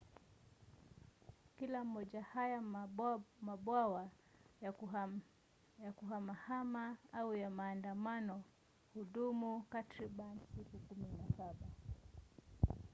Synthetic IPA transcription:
kilam̩ːɔʄahaja | maɓwawa | jakuɦamahamaaujamaːndamanɔ | huɗumukatɾiɓansikukuminasaɓa

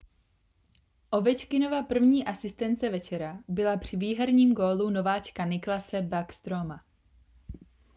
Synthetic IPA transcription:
ʔo̞vɛt͡ʃkɪnovapr̩vɲiːʔasɪst̪ɛnt͡sɛvɛt͡ʃɛɾabɪlapr̝̥ɪviːɦɛɾɲiːmɡoːluno̞vaːt͡ʃkanɪklasɛbakst̪ɾoma

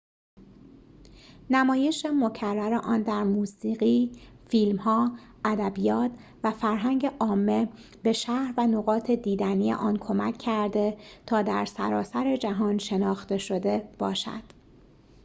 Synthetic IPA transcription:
næmɒːje̞ʃemo̞cʰærːæɾeʔɒːnd̪æɾmuːsiːɣiːfilmhɒː | æd̪æbijɒːt̪ʰ | væfæɾɦæŋɟe̞ʔɒːmːe̞ | be̞ʃæhɾvænoɣɒːt̪ʰe̞d̪iːd̪ænije̞̰ʔɒːnkʰo̞mæcʰːæɾd̪e̞t̪ʰɒːd̪æɾsæ̰ɾɒ̰ːsæɾe̞d͡ʒæɦɒːnʃe̞nɒːxt̪e̞ʃo̞d̪e̞b̥ɒːʃæ̰d̪̥

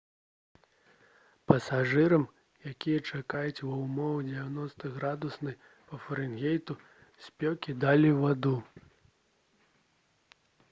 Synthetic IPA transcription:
pɐsaʐɨɾɐm | jakʲijɐt͡ʂakajut͡sʲvɐwmɔwɨd͡zʲɛvʲanɔst̪ɐɣɾad̪usnɐj | pɐfɐɾɨnɣʲejt̪u | sʲpʲɔkʲid̪alʲivad̪u

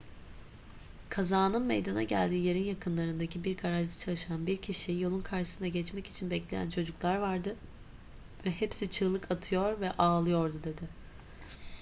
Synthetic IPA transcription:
kʰazaːnɯnmḛjd̪ana̰ɟælʲd̪iːjeɾinjakʰɯnlˠaɾɯnd̪acʰibiɾɡaɾaʒd̪ḁt͡ʃʰalˠɯʃanbiɾcʰiʃijo̞lˠunkʰaɾʃɯ̥sɯnd̪aɟɛt͡ʃmɛci̥t͡ʃʰinbɛclʲe̞jæ̰nt͡ʃʰo̞d͡ʒuklˠaɾvaɾd̪ɯ | vɛɦɛpsit͡ʃʰɯlˠɯkʰat̪ʰɯjo̞ɾvɛʔaːlˠɯjo̞ɾd̪ud̪e̞d̪ɪ

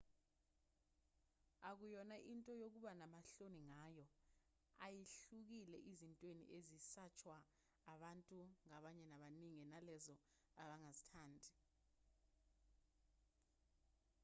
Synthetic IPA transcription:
ak̬ujɔnaʔintʼɔjok̬uɓanamaɬoniŋajɔ | ajiɬuk̬ilɛʔizintʼwenḭʔezisat͡ʃʰwaː | ɓantʼuŋaɓaɲɛnaɓaniŋinalɛzɔ | aɓaŋazitʰaːndʱi

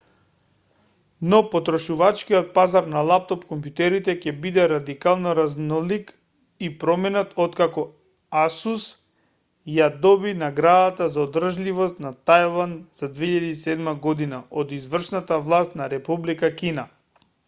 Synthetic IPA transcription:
nɔpɔt̪ɾɔʃuvat͡ʃkiɔt̪̚pazaɾnalˠap̚t̪ɔpkɔmpjut̪ɛɾit̪ɛcɛbid̪ɛɾad̪ikalˠnɔɾaznɔlik | ipɾɔmɛnat̪ɔt̪kakɔ | asus | jad̪ɔbinaɡɾad̪at̪azaɔd̪r̩ʒlivɔst̪nat̪ajlˠand̪z̥ad̪veiʎad̪iisɛd̪maɡɔd̪inaod̪izvr̩ʃnat̪avlˠast̪naɾɛpublikakʲina

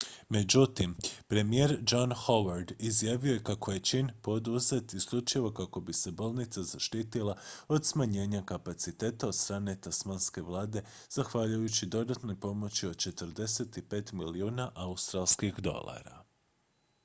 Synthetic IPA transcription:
me̞d͡ʑut̪impɾe̞mijeːɾd͡ʒanxo̞ʋaɾd̪izjaːʋio̞jekako̞je̞t͡ʃinpo̞d̪uze̞t̪isʎut͡ʃiʋo̞kako̞bise̞bolˠnit̪sazaʃt̪iːt̪ilˠao̞d̪smaɲe̞ːɲakapat̪sit̪e̞ːt̪ao̞d̪st̪ɾaːne̞t̪asmanske̞ʋlˠaːd̪e̞ | z̥axʋaʎujut͡ɕid̪o̞d̪at̪no̞jpo̞mo̞t͡ɕio̞d̪̥̚t͡ʃe̞t̪əɾd̪e̞se̞t̪ipe̞t̪miliuːnaʔaust̪ɾalˠskixd̪o̞̰lˠa̰ɾa̰

